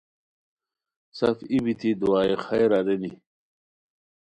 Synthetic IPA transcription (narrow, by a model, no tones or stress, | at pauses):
sɐfibit̪ʰid̪uaːexajɾaɾeni